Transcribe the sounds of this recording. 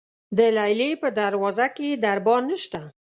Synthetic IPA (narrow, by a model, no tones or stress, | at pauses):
d̪əlajlepəd̪aɾwɑzaked̪aɾbɑnəʃt̪a